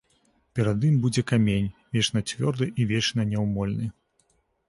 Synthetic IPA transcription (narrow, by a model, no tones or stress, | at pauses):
pʲɛɾɐd̪imbud͡zʲɛkamʲenʲvʲɛt͡ʂnɐt͡sʲvʲɔrd̪ɨʔivʲɛt͡ʂnɐnʲɛwmɔlʲnɨ